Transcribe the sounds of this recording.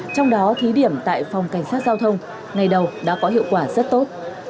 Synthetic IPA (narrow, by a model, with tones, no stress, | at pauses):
t͡ɕɔ˧wŋ͡mɗɔ˨˦t̪ʰi˨˦ɗi˧˩əmt̪a̰ː˧˨jfa˨˩wŋ͡mka˧˩jŋ̟saː˦˥t̚zaː˧wt̪ʰə˧wŋ͡m | ŋa˨˩jɗə˨˩wɗa̰ː˧˥kɔ˨˦ɦḭ˧˨əwkwaː˧˩zə˦˥t̚t̪o˦˥t̚